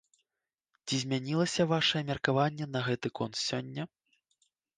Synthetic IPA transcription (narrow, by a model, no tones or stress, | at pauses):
t͡sʲizʲmʲanʲilˠɐsʲɐvaʂɐjɛmʲɐrkavanʲːɛnɐɣɛt̪ɨkɔnt̪sʲɔnʲːɐ